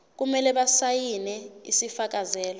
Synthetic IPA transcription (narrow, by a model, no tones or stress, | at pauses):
k̬umɛlɛɓasajinɛḭsifak̬azɛːlɔ